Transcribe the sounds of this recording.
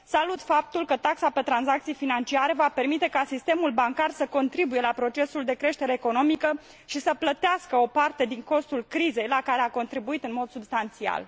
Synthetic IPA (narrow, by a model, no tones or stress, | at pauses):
salut̪fap̚t̪ulkət̪aksape̞t̪ɾanzak̚t̪sijfinant͡ʃiaɾe̞vape̞rmit̪e̞kasist̪e̞mulbaŋkarsəko̞nt̪ɾibuje̞lapɾo̞t͡ʃe̞suld̪e̞kɾe̞ʃt̪e̞ɾe̞ːko̞no̞mikə | ʃisəplət̪easkəo̞part̪e̞d̪iŋko̞st̪ulkɾize̞jlakaɾe̞ako̞nt̪ɾibuit̪ɨnmo̞d̪subst̪ant̪sia̰l